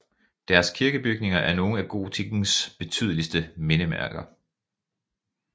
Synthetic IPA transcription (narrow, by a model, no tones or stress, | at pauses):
d̥æɐskʰiɐɡ̥əb̥yɡ̥̚ne̝ŋɐʔæɐno̝ːn̩æɡ̥o̝̰ːt͡sʰiɡ̥n̩sb̥e̝t͡sʰy̰ð̞̰ˠəlisd̥əme̝nəmæ̰ɐ̰ɡ̥ɐ